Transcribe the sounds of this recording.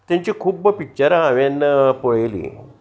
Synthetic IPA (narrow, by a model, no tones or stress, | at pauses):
t̪jãɲt͡ɕikʰuːbpit͡ɕaɾaaʋenpoɭlḭː